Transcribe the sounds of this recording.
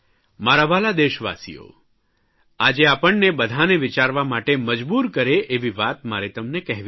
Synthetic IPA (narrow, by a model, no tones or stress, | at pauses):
maɾaʋalad̪eʃəʋa̰sḭjo̰ | ad͡ʒeapəɳnebəd̪ʱaneʋit͡ʃaɾʋamaʈeməd͡ʒbuɾkəɾeʔeʋiʋat̪maɾet̪əmnekɛɦʋ